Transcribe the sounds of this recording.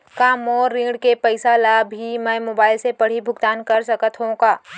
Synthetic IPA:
kaːmɔːɾːĩːɖkepəɪsalabʱimɛ̃ːmoːbaːɪlsepɐɽ̤ibʱʊɡt̪aːnkɐɾsɐkət̪ʰɦõkaː

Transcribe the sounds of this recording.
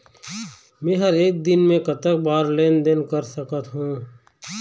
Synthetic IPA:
mẽːɦəɾeːk̚d̪ɪnmẽkət̪ək̚baːɾleːnd̪enkəɾsəkət̪ɦũː

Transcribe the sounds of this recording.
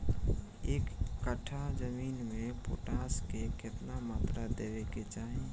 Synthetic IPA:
eːkːəʈʰad͡ʒəmiːnmẽpo̰ːʈaːskekɪt̪namaːt̪ɾad̪eʋeket͡ʃaːɦĩ

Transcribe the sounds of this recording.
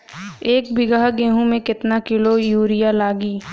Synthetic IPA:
eːk̚bɪɡaɦɡeːɦũmẽkɪt̪nakɪlojuːɾɪjalaːɡiː

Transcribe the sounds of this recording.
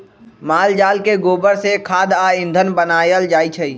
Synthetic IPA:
maːld͡ʒaːlkeɡoːbəɾsekʰaːd̪aːɪ̃nd̪ʱənbənaːjəld͡ʒaːit͡ʃʰəi

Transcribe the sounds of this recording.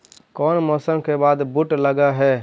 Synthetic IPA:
kɔːnmɔsəmkebaːd̪buʈləɡaɦɛː

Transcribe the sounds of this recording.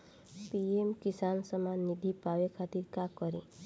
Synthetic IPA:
piemkisansɔmanid̪ʱipaʋekʰat̪iɾkakɔɾi

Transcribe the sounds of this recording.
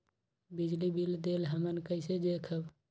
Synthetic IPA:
bid͡ʒlibild̪elɦəmənkəɪsed̪ekʰəb

